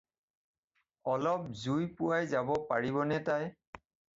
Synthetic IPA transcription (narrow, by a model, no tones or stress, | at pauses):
ɔlɔp̚zujpʊwajzabɔpaɹiβɔnɛtaj